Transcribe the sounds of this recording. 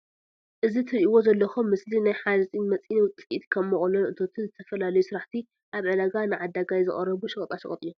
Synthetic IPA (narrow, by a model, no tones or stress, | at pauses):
ʔɨzit̪ʰɨɾʔiwo̞zɐlːɐxomːɨslinajħad̪ɐsʼinmɐt͡sʼinwʊt͡s̪ʼit̪kʰɐmːɨχʼulonʔɨt̪ʰo̞t̪ʰɨnzɨt̪ʰɐfɐlalɐjusɨɾaħt̪ʰi | ʔaβʕəd̪aɡanɨʕad̪aɡajzɨχʼɐɾːɐβuʃɨkʼɐt̪ʼaʃɐ̰χʼɐt̪ʼijo